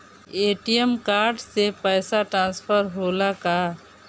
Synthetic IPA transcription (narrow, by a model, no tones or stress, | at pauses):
eːʈijəmkaːɾɖsepɛːsaʈɾãːnspʰəɾɦoːlaka